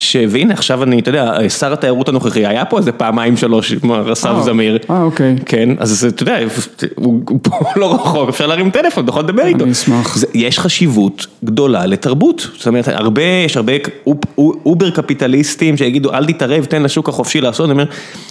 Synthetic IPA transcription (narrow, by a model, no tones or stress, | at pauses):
ʃeveineaχʃavanit̪ojd̪eaesaʁatajaʁutanoχeχihajapoezepaːmaimʃalo̞ʃmaʁasavzamiʁaokejkʰe̞na̰zet̪od̪eaefupoloʁaχo̞kefʃaʁlaːʁimt̪elefonjeχoled̪abeʁitosmazejeʃχaʃivutɡdo̞laletaʁbutz̥ot̪oeeta̰ʁbe̞jeʃhaʁbe | ubeʁkapitalistimʃejaɡid̪uʔalt̪itaʁevt̪enlaʃukaχo̞fʃilaːsot̪aniome